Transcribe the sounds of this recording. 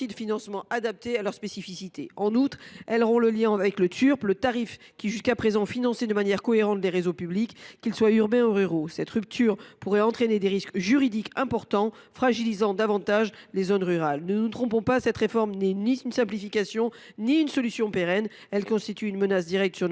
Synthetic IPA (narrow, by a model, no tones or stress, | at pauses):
id̪əfinɑ̃smɑ̃ʔad̪ap̚t̪ealœʁspesifisit̪ʰeɑ̃nut̪χɛlʁɔ̃ləljɛ̃avɛklət̪ʰyʁplət̪aʁifkʲiʒyskapχezɑ̃finɑ̃sed̪əmanjɛʁkɔeʁɑ̃t̪leʁezopyblikːilswayʁbɛ̃uʁyʁosɛt̪ʁyp̚t̪ʰyʁpuʁɛɑ̃t̪χened̪eʁiskʒyʁid̪ikɛ̃pɔʁt̪ɑ̃ | fχaʒilizɑ̃d̪avɑ̃t̪aʒlezonʁyʁalnənut̪χɔ̃pɔ̃pasɛt̪χefɔʁmnɛniynsɛ̃plifikasjɔ̃ | niynsɔlysjɔ̃peʁɛn | ɛlkɔ̃st̪it̪yːnmənasd̪iʁɛk̚t̪syʁ